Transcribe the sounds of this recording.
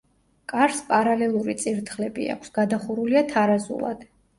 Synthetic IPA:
kʼaɾspʼaɾalɛlˠuɾit̪sʼiɾt̪ʰχlɛbḭa̰kʰsɡ̥ad̪aχuɾuliat̪ʰaɾazṵlˠa̰d̪̥

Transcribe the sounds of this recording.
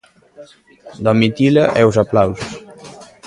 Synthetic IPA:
d̪ɔmit̪ilaʔɛuzaplawzus

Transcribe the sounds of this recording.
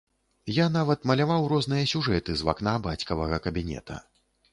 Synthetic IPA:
janavɐt̪mɐlʲavawɾɔznɨjɐsʲuʐɛt̪ɨzva̰knabat͡sʲkɐvɐɣɐkɐbʲinʲɛ̰t̪ʰɐ̰

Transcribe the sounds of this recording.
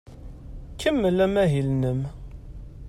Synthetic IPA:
kʰːəmːəlæmæɦilnəm

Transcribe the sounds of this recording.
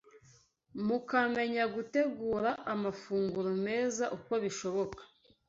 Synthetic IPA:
mukame̞ɲaɡute̞ɡuːɾaʔamafuːŋɡuɾume̞ːzaʔuko̞βiʃo̞βo̞kḁ

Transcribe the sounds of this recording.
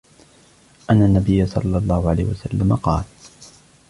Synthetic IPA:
ʔanːanːabɪjːasˤɑ̰lːɑlˤːɑːhʊʕala̰ːhwasalːamaqɑːl

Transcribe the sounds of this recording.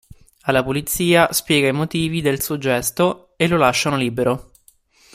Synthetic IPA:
alːapulit̪sːiːaspjɛːɡaimot̪iːvid̪elsuod͡ʒɛst̪o | elːolaʃːanoliːbeɾʔo

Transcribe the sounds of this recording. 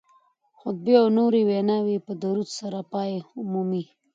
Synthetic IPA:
xʊd̪̚beawnoɾiwenawipəd̪aɾut̪saɾapɑeʊmumi

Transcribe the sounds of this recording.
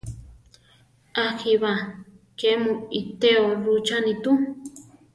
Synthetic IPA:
axiβakemũit̪eoɾut͡ʃanĩt̪u

